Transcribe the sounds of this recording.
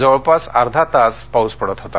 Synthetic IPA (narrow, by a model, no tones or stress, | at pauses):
d͡zəəɭpasaɾd̪ʱat̪aspauspəɽət̪ɦot̪a̰